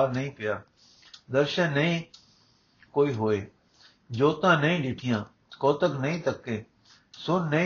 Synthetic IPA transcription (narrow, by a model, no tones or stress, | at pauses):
lnɐĩpɪjaː | d̪əɾʃənːəĩ | koːiːɦoːeː | d͡ʒoːt̪ãːnɐĩːɗɪʈʰɪjãː | koːt̪əknɐɦĩːt̪əkẽː | sʊnːə̃